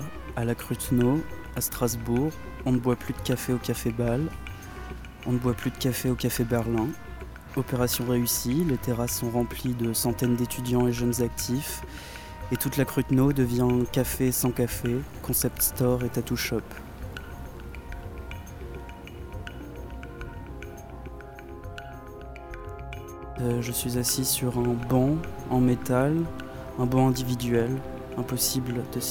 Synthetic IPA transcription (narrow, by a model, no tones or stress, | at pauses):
alakχyt̪no | ast̪χazbuʁ | ɔ̃nəbwaplyd̪əkʲafeokafebal | ɔ̃nəbwaplyd̪əkʲafeokʲafebɛʁlɛ̃ | ɔpeʁasjɔ̃ʁeysilet̪eʁasːɔ̃ʁɑ̃plid̪əsɑ̃t̪ɛnd̪et̪yd̪jɑ̃eʒənzak̚t̪ʰif | et̪ut̪lakχyt̪nod̪əvjɛ̃ɛɛ̃kʲafesɑ̃kafekɔ̃sɛp̚t̪st̪ɔʁet̪at̪uʃɔp | ʒəsɥizasisyʁɛ̃bɔ̃ɑ̃met̪al | ɛ̃bɔ̃ɛ̃d̪ivid̪ɥɛl | ɛ̃pɔsibld̪̥əs